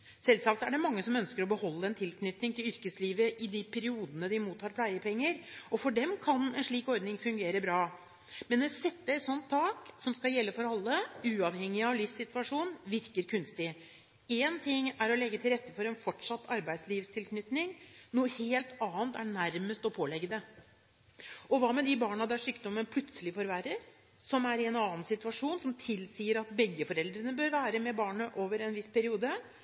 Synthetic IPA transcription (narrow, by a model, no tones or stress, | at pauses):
sɛlsɑːk̚t̪æɖɛmɑŋːəsɔmœnskəɾɔbəhɔlːəɛnt̪ʰɪlknʏt̪nɪŋt̪ʰɪlʏɾkəsliːʋəʔɪd̪ɪpʰæɾɪuːd̪ənəd̪ɪmuːt̪ʰːɑːɾpʰlæɪəpʰɛŋːəɾɔfɔɖɛmkʰɑnɛnʂɭiːkɔɾd̪nɪŋfʉŋɡeːɾəbɾɑː | mɛnːɔsɛt̪ːəɛt̪sɔnt̪ʰːɑːksɔmskɑljɛlːəfɔɾɑlːəʉːɑʋhɛŋːɪɑʋlɪfsɪt̪ʉɑʂuːnʋɪɾkəɾkʰʉnst̪ɪ | eːnt̪ʰɪŋːæɾɔlɛɡːət̪ʰɪlɾɛt̪ːəfɔɾɛnfɔʈʂɑt̪ːɑɾbæɪd̪sliːʋst̪ʰɪlkʰnʏt̪nɪŋnuːəheːlt̪ɑːnt̪æɳæɾməst̪ɔpʰoːlɛɡːəd̪ə | ʔɔʋɑːmɛd̪ɪbɑːɳɑd̪æʂyːkd̪ɔmːənpʰlʉt̪səlɪfɔɾʋæɾəsː | ɔmæɾɪɛnɑːnsɪt̪ʉɑʂuːnsɔmt̪ʰɪlsiːəɾɑt̪bɛɡːəfɔɾɛld̪ɾənəbøːɾʋæːɾəmɛbɑːɳəʔoːʋəɾɛnʋɪspʰæɾɪuːd̪ə